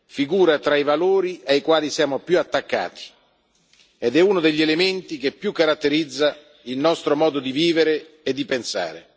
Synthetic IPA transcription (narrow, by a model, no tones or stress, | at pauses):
fiɡuːɾat̪ɾaivaloːɾiaikwaːlisjaːmopjuat̪ːakːa̰ːt̪i̥ | ed̪ɛuːnod̪eʎːelement̪ik̟epːjukːaɾat̪ːeɾid̪zːa | ilnɔst̪ɾomɔːd̪od̪iviːveɾe | ed̪ːipensa̰ːɾḛ